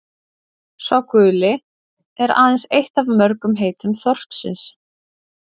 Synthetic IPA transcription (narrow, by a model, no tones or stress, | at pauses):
svawkʏːlɪ | ɛɾa̰ːðɛnsejht̪avmœɾkʏmɦeːjt̪ʏmθɔr̥t̪sɪ̰ns